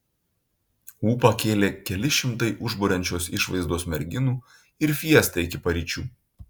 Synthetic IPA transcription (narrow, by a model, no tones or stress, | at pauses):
uːpɐkʲeːlʲeːkʲɛlʲɪʃʲɪmt̪ɐɪʔʊʒboːɾʲɛnʲt͡ʃʲoːsɪʃʋɐ̰ɪzd̪oːsmʲɛɾʲɡʲɪnuː | ɪɾfʲiɛst̪ɐɪkʲɪpɐɾʲiːt͡ʃʲuː